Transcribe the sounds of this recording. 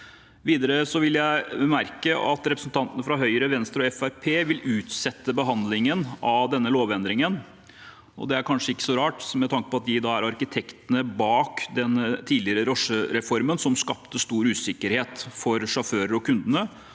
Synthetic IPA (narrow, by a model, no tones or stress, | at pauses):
ʋiːd̪əɾəsɔʋɪljæɪmæɾkəʔɑt̪ɾɛpɾəsn̩t̪ʰɑnt̪ənəfɾɑɦœʏəɾəʋɛnst̪əɾɔɛfæɾpʰeːʋɪlʉːt̪sɛt̪ːəbəɦɑnd̪lɪŋənɑd̪ɛnːəloːʋɛnd̪ɾɪŋən | ɔ̰d̪ɛæɾkʰɑnʂəɪkːə̥sɔɾɑːʈmɛt̪ʰɑŋkəpɔɑt̪̚d̪ɪd̪ɑːæɾɑɾkɪt̪ʰɛkt̪ənəbɑːkd̪ɛnt̪ʰiːd̪lɪəɾəɾɔʂəɾɛfɔɾmənsɔmskɑpt̪əst̪uːɾʉːsɪkːəɾheːt̪fɔɾʂɑføːɾəɾɔkʰʉnd̪ənə